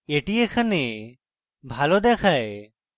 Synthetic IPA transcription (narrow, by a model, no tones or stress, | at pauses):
eʈijekʰane | bʱalod̪ɛkʰae